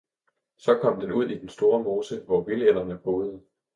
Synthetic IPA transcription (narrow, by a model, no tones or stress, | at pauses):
sɒ̽kʰɒ̽m̰d̥enuð̞̰ˠid̥ensd̥o̝ːɐmo̝ːsəʋɒʋilel̰ɐnəb̥o̝ːð̩ˠə